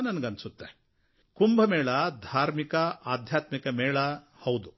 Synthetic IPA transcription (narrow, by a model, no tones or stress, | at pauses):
nɐnɐɡɐnsut̪ːe | kumbʱɐmɛːɭɐd̪ʱaːɾmikɐaːd̪ʱjaːt̪mikɐmɛːɭɐ | hɐwd̪u